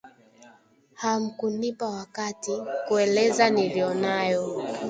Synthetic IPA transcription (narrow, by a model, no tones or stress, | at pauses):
ham̩kunipawakatikuɛlɛzanilijɔnajɔ